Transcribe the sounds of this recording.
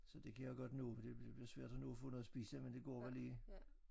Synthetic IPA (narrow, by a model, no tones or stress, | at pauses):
sɒ̽d̥e̝kʰæjaɡ̥ɒ̽d̥no̰ːd̥e̝b̥liɐsʋæɐ̰d̥ɑnoːɐfɔ̰̽ːnoðˠsb̥iːsəmend̥e̝ɡ̥ɒ̰ːʋæliː